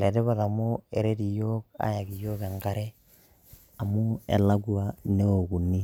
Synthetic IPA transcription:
lɛ˨dɛ˦ba˨ða˨mo˦e˨ɾe˦di˨jo˦k̚a̰˦ja˨ɡi˨joː˦kɛ˨ŋɡa˦ɾɛ˦ | a˨mu˦ḛ˨la˦ɡua˨ne˦o˨ɡu˨nːi˦

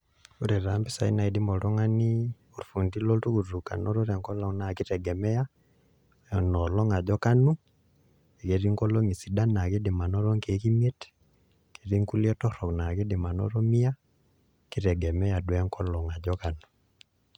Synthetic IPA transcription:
u˦ɾe˨ɾa˨mbi˦sa˨i˦na˨idi˦mɔ˨ɾɔ˦ŋa˦ni˦ | o˨ɾfu˨ndi˦lɔ˦ltu˦ku˨ru˨ka̰˨nɔ˦ɾo˦ɾɛ˨ŋkɔ˦lɔ˨na˨ki˦ɾɛ˨ɡɛ˨mɛ˦ja˦ | nɔ˨lɔ˦ŋa˨d͡ʒɔ˦ka˦nu˦ | e˨ke˨ɾi˦ŋkɔ˦lo˦ŋi˨si˨da˦na˨ki˦dɪ˨ma˨nɔ˦ɾɔ˦ŋke˨ki˦mie˦t | ke˨ɾi˦ŋku˦ljɛ˦tɔ˦ɾɔ˨kna˨ki˦dɪ˨ma˨nɔ̰˦ɾɔ˦mi˦a˦ | ki˦ɾɛ˨ɡɛ˨mɛ˦ja˨dwɛ˦ŋkɔ˦lɔ˨ŋa˨d͡ʒɔka˨nu̥˨

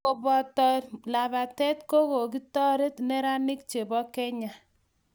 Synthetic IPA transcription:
o˨bɔ˨tɔ˨la˨ba˨tɛ˦tko˦ko˨k̬i˦tɔ˦ɾe˦tne˦ɾa˦ni˦k̚t͡ʃe˨bɔ˦kɛ˦ɲa˨

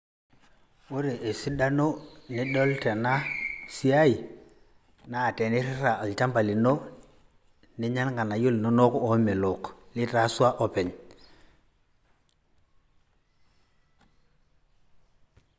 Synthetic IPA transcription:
wo˦ɾe˨ʔe˨si˦da˦no˦ni˦ɗo˦lte˨na˦si˦a˦i˨ | naː˦˨te˨ni˦ɾi˦ɾa˨a˨lt͡ʃa˦mba˨li˨no˦ | ni˦ɲa˦lŋɡa˨na˨ju˦lno˦no˦ko˨˦mɛ˨lo˨kli˦ta˦su˦a˦ʔo˨pɛ˨ɲ

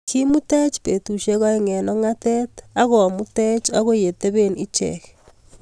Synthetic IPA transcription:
ki˦mu˦te˦t͡ʃpe˨tu˨ʃe˦ɣa˦e˦ŋe˨nɔ˦ŋa˦te˦taɣɔ˨mu˦te˦t͡ʃa˦ɣo˦je˨te˦βe˦ni˦t͡ʃɛ̰k

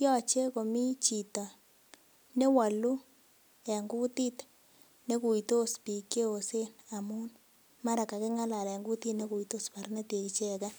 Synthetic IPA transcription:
jɔ˦t͡ʃe˦ko˨mi˦t͡ʃi˨tɔ˨ | ne˦wa˨lu˦ | ɛ˨ŋɡu˦ti˦t | ne˦ku˨i˨to˦spi˨ke˦o˨se˦na˨mu˦n | ma˦ɾa˨ka˨ke˦ŋa˦la˨ɾe˨ŋɡu˦ti˦tne˦ku˨i˨to˦spa˨ɾna˦te˨ki˨t͡ʃe˦ka˦

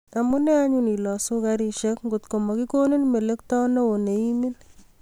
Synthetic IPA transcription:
a˨mu˦nɛ˦a˦ɲuni˨lɔ˨su˦kaɾi˨ʃekŋɡo˨t̪ko˨mɔ˨ki˦ko˦ni˦nme˨le˦k̚tɔ˦nɔ˦o˨ne˨imi˦n

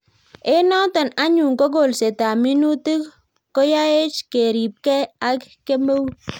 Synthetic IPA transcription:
e˦nɔ˦tɔ˨na˦ɲu˨ŋko˦ɡo˨lse˨ta˨mi˦nu˦ti˦k | ko˦ja˦e˦t͡ʃke˨ɾi˨p̚kɛ˦a˨˦kke˦mo˦w

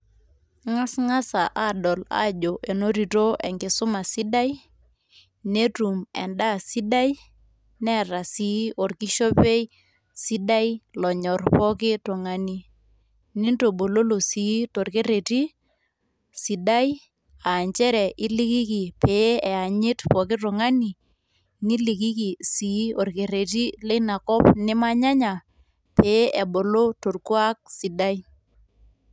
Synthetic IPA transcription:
ŋa˦sŋa˦sa˨ʔa˦˨dɔ˨la̰˦˨d͡ʒo˨ʔe˨no˦ɾi˨to˦ʔɛ˨ŋɡɪ˨sʊ˦ma˨si˦da˦j | ne˦tu˨mɛ̰˨nda˦˨si˦da˦j | nɛ˦˨ɾa˨si˨˦ʔo˨ɾki˦ʃo˦pe˦ | si˦da˦i˦lɔ˨ɲɔ˨rpɔ˦kɪ˦to˨ŋa˨ni˦ | ni˦nto˨ɓo˨lo˦lo˨siː˨˦to˨rke˦ɾe˨ti˦ | si˨da˦j | a˨ɲt͡ʃɛ˦ɾɛ˨ʔɪ˦li˦ki˦ki˨pe˨˦ɛ˨a˨ɲɪ˦tpɔ˨k̬ɪ˦tʊ˨ŋa˦ni˨ | ni˦li˨ki˦ki˨siː˨˦o˨rke˨re˨ti˦le˦na˨kɔ˦pnɪ˦ma˦ɲa˦ɲa˨ | pe˨˦ʔe˨ɓo˨lo˦to˨rku˦a˦k̚si˨da˦j

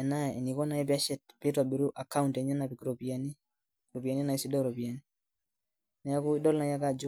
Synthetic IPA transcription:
ɛ˨na˦e˨ni˨kɔ˦na˨˦jɛ˦p̬ia˦ʃɛ˨t̚pi˦tɔa˨bi˨ɾu˦ʔa˨ka˦untɛ˨ɲa˦na˨pi˨kɾopi˨a˨ni˦ | ɾo˨pi˨a˨ni˦na˨i˦si˦dɔ˦ɾɔ˨pi˨a˨ni˦ | na˨ja˦ku˦dɔ˦lna˨ja˦ka˦d͡ʒɔ˦

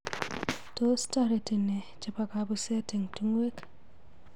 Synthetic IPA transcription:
to˦sta˦ɾe˨ti˨ne˨ | t͡ʃi˨pa˨ka˨bu˦se˦ti˨ŋti˦ŋwe˦k

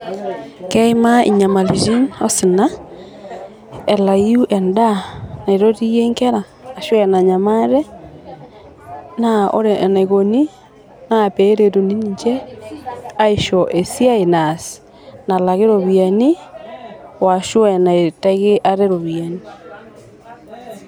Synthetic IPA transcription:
kɛimaḭ˨ɲa˨ma˨li˨d͡ʒi˦no˦si˨na | ela˨juʔɛ˨nda˦na˨iɾo˦ti˦je˦ŋke˦ɾaː˨ | ʃwɛna˨ɲama˦ɾe˦ | nao̰˦ɾena˨iɣo˨ni˦ | nape˦ɾe˨tu˨ni˦niɲd͡ʒe˦ | a˦iʃoʔe˨sja˦enasi̥ | nalaɣe˦ɾo˨βja˨ni˦ | wa˨ʃwɛna˨eteɣe˦ʔa˦ɾe˦ɾo˨βja˨ni

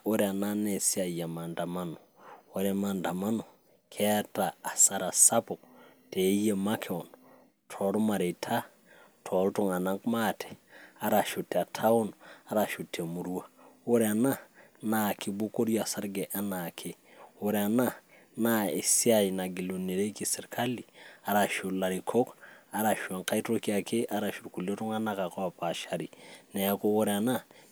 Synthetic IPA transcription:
o˦ɾɛ˨a˨na˦ne˨si˦a˨ja˨ma˨nda˨ma˦no˨o˦ɾɛma˨nda˨ma˦no˨ | kʰɛ˦a˦taː˨sa˨ɾa˨sa˦pʊ˨k | te˨˦je˨ma˦kʰe˦ɔ˨n | tʰɔ˨˦ɾma˨ɾe˨tʰa˦ | tʰɔ˨ltu˦ŋa˨na˦ŋkma˦tʰɛ̥˨a˦ɾa˨ʃu˨tːe˨a˨tʰa˦o˦na˦ɾa˨ʃu˨tʰːe˨a˨mu˨ɾu˦wa˦˨wo˦ɾea˨na˦ | na˨ki˨bu˦ko˦ɾja˨sa˦ɾɡe˨ʔa˦na˨kʰe˦ | wo˦ɾɛa˨na˦ | na˦e˨si˦a˦jna˨ɡi˨lu˨ne˨ɾe˦ki˨sɪ˨ɾkʰa˦li˨a˨ɾa˨ʃu˨la˨ɾi˨kʰo˦ka˨ɾa˨ʃu˨a˨ŋka˦jtɾo˦ki˦a˨ke˦ʔa˦ɾa˨ʃu˨ɾku˨ljo˦tu˦ŋa˦na˦ka˨kɔ˦a˨pa˨ʃa˨ɾi˨nɛ˨ako˦wo˦ɾeana˦

